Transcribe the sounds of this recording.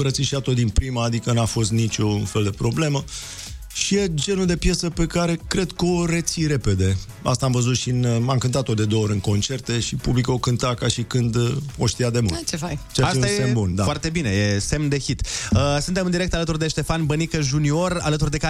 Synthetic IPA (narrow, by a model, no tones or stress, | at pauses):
əɾət̪siʃiat̪ot̪̚d̪inpɾimaːd̪ikənafo̞st̪nit͡ʃonfe̞ld̪e̞pɾo̞ble̞mə | ʃije̞d͡ʒe̞nuld̪e̞pje̞səpe̞kaɾe̞kɾe̞d̪kəo̞ɾe̞t̪siɾe̞pe̞d̪e̞ | a̰st̪aːmvəzut̪ʃinamkɨnt̪at̪ːod̪e̞d̪oːoɾʲɨnko̞nt͡ʃe̞rt̪e̞ʃipublikəokɨnt̪akaʃikɨnd̪o̞ʃt̪ijad̪e̞mult̪t͡ʃefajt͡ʃaasĩajesembund̪afoart̪e̞bine̞jese̞mnd̪e̞çit̪əsɨnt̪emɨnd̪iɾe̞k̚t̪alət̪urd̪e̞ʃt̪e̞fanbənikəʒunio̞ralət̪urd̪e̞ka